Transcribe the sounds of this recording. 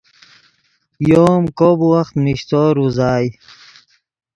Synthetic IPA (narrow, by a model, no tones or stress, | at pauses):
joːmkobuwaxt̪miɕt̪oːɾuzaːj